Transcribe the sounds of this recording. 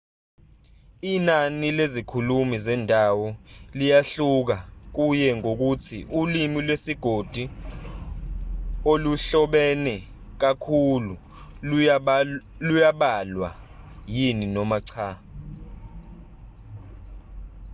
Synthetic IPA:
inanilezikʰulumizɛndʱawɔlijaɬuk̬ak̬ujɛŋok̬utʰḭʔulimilwesiɡ̥ʱod̥ʱu | oluɬɔɓɛnɛ | k̬akʰulu | lujaɓalwa̰ | jininɔmaǀʰa

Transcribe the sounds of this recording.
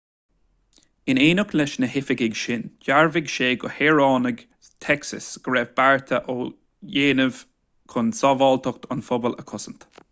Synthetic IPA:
ɪneːnʊklɛʃnəɦɪfɪɡɪɡʃɪnd͡ʒaɹvɪɡʃeːɡʊheːɹɑːnəɡ | t̪ʰɛksə̰sɡ̥ɹɛvbaɹt̪ʰəʔoː | jeːnəv̥ | kʰʊnsɔvɑːlt̪ɔk̚t̪ʰʊnfɔbələ̰kʰʊsənt̪

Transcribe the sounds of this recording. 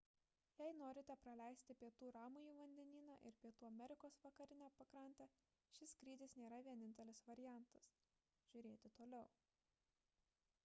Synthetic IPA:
jɛɪnoːɾʲɪt̪ʲɛpɾɐlʲæˑɪsʲt̪ʲɪpʲiɛt̪uːɾɑːmʊiːʋɐnʲd̪ʲɛnʲiːnɑ̰ːʔɪɾpʲiɛt̪uːɐmʲɛɾʲɪkoːsʋɐkɐɾʲɪnʲɛpɐkɾɐˑnʲt̪ʲɛ | ʃʲɪskɾʲiːd̪ʲɪsnʲeːɾɐʋʲiɛnʲɪnʲt̪ʲɛlʲɪsʋɐɾʲɪjæˑnt̪ɐs | ʒ̥ʲʊɾʲeːt̪ʲɪt̪oːlʲɛʊ

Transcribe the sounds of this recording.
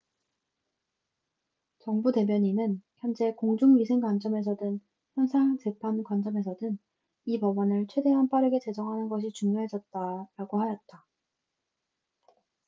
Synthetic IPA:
t͡ɕʌŋbute̞mjʌɲinɯnçjʌnd͡ʑe̞koŋd͡ʑuŋɥisʰeŋkwant͡ɕʌme̞s̬ʰʌdɯn | çjʌnsʰaŋt͡ɕe̞pʰankwand͡ʑʌme̞s̬ʰʌdɯn | ipʌbʌnɯɭt͡ɕʰwe̞de̞ɦanp͈aɾɯɡe̞t͡ɕe̞d͡ʑʌŋɦanɯnɡʌɕʰit͡ɕuŋjoɦe̞d͡ʑʌt̚t͈aɾaɡohajʌt̚t͈a

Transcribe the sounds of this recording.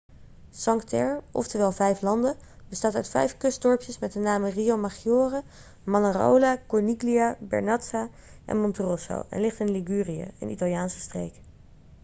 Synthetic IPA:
sɑŋktɛɹɔ̰ftəʋɛːlˠvɛjflɑndə | bəstaːtœɥtfɛ̰jfkɵsdɔɹpjəsmɛt̚ənaːməriomaχijoːrə | mɑnaro̰wlakɔɹniɡliabɛ̰ɹnɑtsa | ʔɛ̰nmɔnturɔso̰wɛ̰nlɪχtɪnliɡyːrijə̰ə̰nitɑlˠjaːnsə̥strḛjk

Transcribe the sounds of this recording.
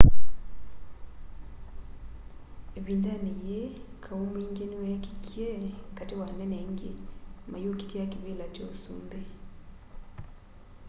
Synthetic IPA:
eβiːndanijekʰawumbeŋɡeniweki̥kʰjekatewaneneŋɡḛmajoki̥takiβelat͡ʃosṵːmbe

